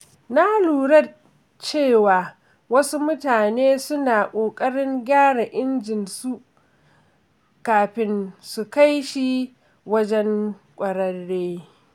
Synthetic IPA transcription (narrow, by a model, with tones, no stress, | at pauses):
na˦luː˨ɽɐ˦˨ | t͡ʃeː˦˨waː˨ | wɐ˦su˦mʊ˦taː˨neː˦sʊ˦naː˨kʷʼoː˨kʼɐ˦ɽɪ˦ŋɡʲaː˦ɽa˨ʔɪ˦nd͡ʒɪ˨nsu˦ʔ | kaː˨ɸɪ˦nsu˨ka˦jʃi˦ | wɐ˦d͡ʒɛ˦ŋkʷʼɐ˨ɾɐ˦ɽːeː˦